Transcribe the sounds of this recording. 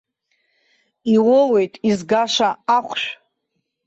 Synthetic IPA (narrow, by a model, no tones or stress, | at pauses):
iwole̞jtʼizɡaʂaaχʷʃʷᶣ